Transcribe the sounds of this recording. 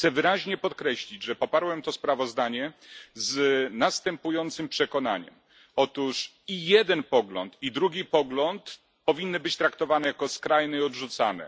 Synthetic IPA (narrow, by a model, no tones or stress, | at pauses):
xt̪sɛvɘɾaʑɲɛpɔt̪kɾɛɕlʲid͡ʑʐɛpɔpaɾwɛmt̪ɔspɾavɔzd̪aɲɛznast̪ɛmpujɔnt̪sɘmpʂɛkɔnaɲɛ̰m | ɔt̪uʂ | ijɛd̪ɛnpɔɡlɔ̰nt̪id̪ɾuɡʲipɔɡlɔnt̪ | pɔvʲinːɘbɘt͡ɕt̪ɾakt̪ɔvanɛjakɔskɾajnɛiɔd̪ʐut̪sanɛ̰